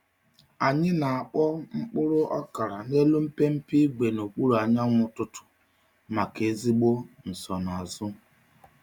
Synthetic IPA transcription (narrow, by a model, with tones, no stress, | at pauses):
a˨ɲɪ˦na˨a˨k͡pɔ˦ŋ͡m̩˦k͡pʊ˦ɾʊ˦ʔɔ˦ka˨ɾa˨ne˦lu˦m̩˦pe˦m̩˦pi˦ɡ͡be˨no˨k͡pu˦ɾu˨a˨ɲa˦ŋʷʊ˦tʊ˦tʊ̥˨ | ma˨ke˨˦zi˦ɡ͡bo˦n̩˨sɔ˨na˨a˨zʊ˦